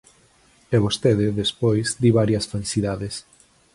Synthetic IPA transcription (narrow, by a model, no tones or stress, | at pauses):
ɛβ̞ost̪eðɪðespojzd̪iβaɾjɐsfalsiðaðes